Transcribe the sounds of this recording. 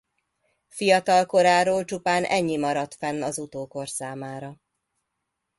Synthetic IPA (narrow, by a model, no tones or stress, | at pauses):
fijɒt̪ɒlko̞ɾaːɾoːlt͡ʃupaːnʔɛɲːimɒɾɒt̪fɛnːɒzut̪oːko̞rsaːmaːɾɒ